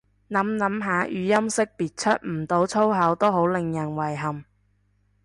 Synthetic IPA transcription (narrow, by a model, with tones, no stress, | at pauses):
nɐ˨˥mnɐ˨˥mɦaː˨˧˥ʔyː˨˧jɐ˥msɪ˥k̚piː˨t̚t͡ʃʰɵ˥t̚m̩˨˩t̪o˨˥wt͡sʰo˥wɦɐ˨˥wt̪o˥wɦo˨˥wlɪ˨ŋjɐ˨˩nwɐ˨˩jɦɐ˨˩m